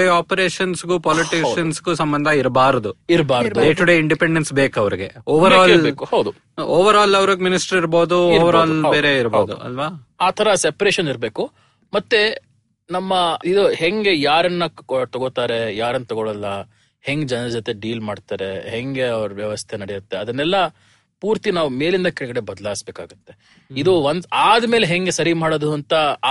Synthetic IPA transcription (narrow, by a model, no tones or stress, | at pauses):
eaːpɐɾeːʂɐnsɡupaːliʈiʃɐnsɡusɐmbɐnd̪ʱɐiɾbaːɾɐd̪uiɾbaːɾɐd̪ɖeːʈuɖeiɳɖipeɳɖensbeːkɐʋɐɾiɡe̞oːʋɐɾaːllːkhɐwd̪u | oːʋɐɾaːlɐʋɐɾiɡminisʈɐɾiɾboːd̪uoːʋɐɾaːlbeːɾeiɾboːd̪ṵɐ̰lʋaː | aːt̪ʰɐɾɐsepɐɾeʃɐniɾbeːku | mɐt̪ːe̞ | nɐmːɐid̪uɦeŋɡejaːɾɐnːɐt̪ɔɡot̪aːɾe̞jaːɾɐnːɐt̪ɔɡoɭɐlːɐ | heŋɡd͡ʒɐnd͡ʒɔt̪e̞ɖiːlmaːɖt̪aːɾe̞ɦeŋɡe̞ɐʋɾuʋjɐʋɐst̪ʰenɐɽijut̪ːeɐd̪ɐnːɛlːɐ | puːɾt̪inaːʋume̞ːlind̪ɐkɛɭɡɐɽe̞bɐd̪ɐlaːsbeːka̰ːɡut̪ːe̞ | id̪uʋɐnd̪aːd̪ɐme̞ːleɦeŋɡesɐɾimaːɽod̪uɐnt̪ɐ